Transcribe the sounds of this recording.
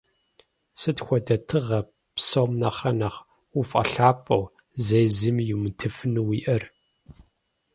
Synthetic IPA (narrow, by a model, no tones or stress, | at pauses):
sɨtxʷɔdɐtʰɨʁɐ | psɐwmnɐχrɐnɐχ | ufʼɐ̰ɬaːpʼɐw | zejzɨmjumɨtʰɨfɨnɨwiːʔɐr